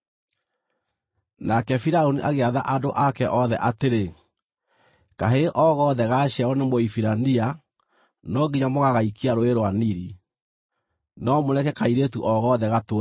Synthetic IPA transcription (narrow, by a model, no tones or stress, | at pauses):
nakɛfiɾaoniʔaɣeaðaʔadoʔakɛʔɔðɛʔateɾe | kaɦeʔɔɣɔðɛɣaɕaɾɔnemoifiɾania | nɔɡiɲamoɣaɣaikʰiaɾoeɾwaniɾi | nɔmonɛkɛkaiɾetuʔɔɣɔðɛɣato